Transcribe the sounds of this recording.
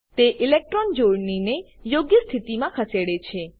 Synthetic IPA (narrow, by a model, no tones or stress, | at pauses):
t̪eʔɪlek̚ʈɾɔnd͡ʒoɽnine | joɡjəst̪ʰit̪imãkʰəseɽet͡ʃʰe